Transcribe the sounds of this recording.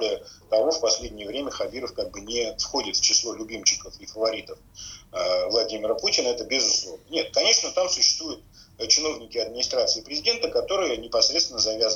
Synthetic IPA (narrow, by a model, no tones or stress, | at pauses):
lʲɪət̪ɐvo̞fpɐsʲlʲedʲnʲɪjəvɾʲemʲəxɐbʲiɾəfkaɡ̚bɨnʲɪfxo̞dʲɪt̪ft͡ɕɪslˠo̞lʲʊbʲimt͡ɕɪkəfifəvɐɾʲit̪əf | vlˠɐdʲimʲɪɾəputʲɪnəɛt̪əbʲɪzʊslˠo̞vnənʲet̪̚kɐnʲe̞ʂnət̪amsʊɕːɪ̥st̪vujʊt̪̚t͡ɕɪno̞vnʲɪkʲɪɐd̪̚mʲɪnʲɪst̪ɾat̪sɨɪpɾʲɪzʲɪdʲe̞nt̪əkɐt̪o̞ɾɨjənʲɪpɐsɾʲet̪st̪vʲɪnəzɐvʲaz